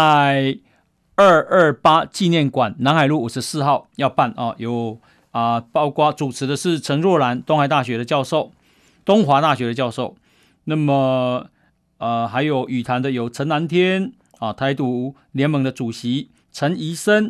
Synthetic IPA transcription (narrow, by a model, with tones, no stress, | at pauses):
a˥˧ɪ | ə˥˧ə˥˩pa˥t͡ɕi˥˧njɛ˥˩nkwa˨˩nːa˧˥nha˨˩ɪlu˥˩u˨˩ʂ̩˧˦sɹ̩˥˧xɑ˥˩ʊjɑ˥˧ʊpa˥˩nɔ̰˨jo˨˩ʊ | ə˨˩pɑ˥ʊkwa˥t͡su˨˩t͡sʰɻ̩˧˥d̪ə˧ʂɻ̩˥˩t͡sʰə˧˥ŋɻwɔ˥˩la˧˥nt̪ʊ˥ŋxa˨˩ɪt̪a˥˩ɕɥɛ˧˥ɾə˨˧t͡ɕjɑ˥˧ʊʂo˥˨ʊ | t̪ʊ˥ŋxwa˧˥t̪a˥˩ɕɥɛ˧˥ɾə˧t͡ɕjɑ˥˧ʊʂo˥˩ʊ | na˥˩mə˨˩ | ə˨˧xa˧˥ɪjo˨˩ʊʔy˨˩t̪ʰa˨˥nd̪ə˧jo˨˩ʊt͡sʰə˧˥ŋna˧˦nt̪ʰjɛ˦n | ɔ˨˩t̪ʰa˧˥ɪt̪u˧˥ | ljɛ˧˥nmə˧˥ŋd̪ə˧ʈ͡ʂu˨˩ɕi˧˦ | t͡sʰə˧˥ni˧˥sə˦˥n